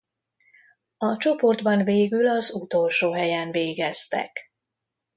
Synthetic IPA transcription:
ɒt͡ʃo̞po̞rd̪bɒnveːɡylɒzut̪o̞lʃoːɦɛjɛnveːɡɛst̪ɛ̰k

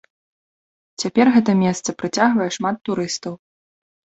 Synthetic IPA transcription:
t͡sʲapʲɛrɣɛt̪ɐmʲɛst̪sɐpɾɨt͡sʲaɣvɐjɛʂmat̪ːuɾɨst̪ɐw

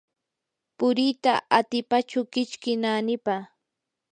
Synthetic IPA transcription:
pʊɾɪt̪a̰ʔat̪ɪpat͡ʃʊkɪt͡ʃkɪnaːnɪpa

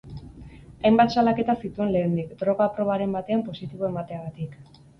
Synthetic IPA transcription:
ajmbat̪salake̞t̪asit̪ue̞nle̞ːnd̪ikd̪ɾo̞ɣapɾo̞β̞aɾe̞mbat̪e̞ampo̞sit̪iβ̞o̞e̞mat̪e̞aɣat̪ik

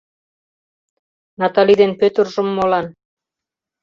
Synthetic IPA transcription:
nɑt̪ɑlid̪enpøt̪ə̆rʒə̆mːolɑn

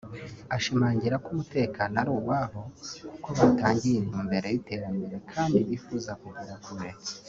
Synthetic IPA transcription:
aʃimaːɲɟiɾakumute̞ːkaːnoaɾuːwaho̞kuko̞βataːɲɟiin̥huːmbe̞ɾejite̞ːɾambe̞ɾe̞kʰaːndiβifuːzakuɡuɾakuɾet͡se̥

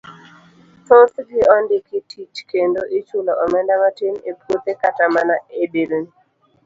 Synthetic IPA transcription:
tot̪ɡɪɔndɪkitʰit͡ʃkendoʔit͡ʃulɔʔɔmɛndamatinepwot̪ekatamanaebiln

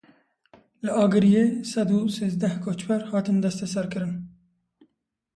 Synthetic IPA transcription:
ləʔɑːɡɨɾijesɐd̪useːzd̪æhkʰot͡ʃwaɾhɑːt̪ɨnd̪ɐst̪ɐsaɾkɨɾɨn

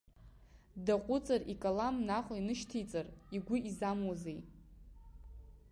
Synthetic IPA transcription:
daqʷʼʊt͡sʼarikʼalamnaχʷʼainɨʃtʰejt͡sʼariɡʷʊizamwazej

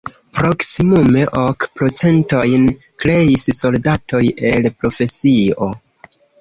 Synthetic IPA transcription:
pɾo̞ksimume̞ʔokpɾo̞t͡se̞nto̞jn | kɾe̞isso̞ldato̞je̞lpɾo̞fe̞sio̞

